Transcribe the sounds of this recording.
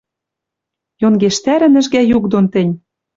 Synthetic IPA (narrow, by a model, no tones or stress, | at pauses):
jonɡeʃt̪æɾɘ̆nɘ̆ʒɡæjukd̪ont̪ɘ̆nʲ